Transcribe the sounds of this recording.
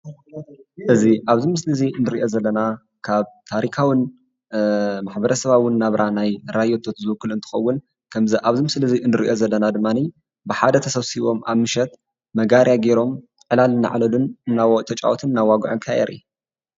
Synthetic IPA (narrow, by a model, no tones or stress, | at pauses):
ʔɨziʔaβzimɨslɨziɨnːɨɾiʔo̞zɐlːɐna | kʰaβt̪ʰaɾikʰawin | maħbɐɾɐsɐβawɨnːaβɾʔanajɾajot̪ʰot̪zɨwɨkːɨlɨnt̪ʰɨ̥xɐwːʊn | kʰɐmziʔaβzimɨslɨziʔɨnːɨɾiʔo̞zɐlːɐnad̪ɨmːani | bɨħad̪ɐt̪ʰɐsɐβsiβo̞maβmɨʃɛt̪̚ | mɐɡaɾijaɡeɾo̞m | ʕɨlalɨnːa̰ʕlɐlunɨnːat̪ʰɐt͡ʃʼa̰wot̪ʰɨnɨnːawaɡʕonkʰaɛ̰ɾʔḭ